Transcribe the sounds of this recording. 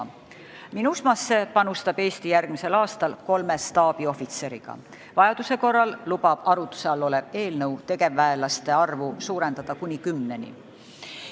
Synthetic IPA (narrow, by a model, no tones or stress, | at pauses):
minusmɑsːe̞pɑnust̪ɑb̥e̞ːst̪ijærɡ̥mise̞lɑːst̪ɑlko̞lme̞st̪ɑːb̥io̞fit̪se̞ɾḭɡ̥ɑ̰ | vɑjɑd̪̥use̞ko̞rːɑllub̥ɑb̥ɑɾut̪ːˑu̥seɑlːo̞le̞ve̞ːlnɤwt̪e̞ɡe̞vːæelɑst̪e̞ɑrvusuːɾe̞nd̪ɑd̪̥ɑkunʲikymːne̞nʲḭ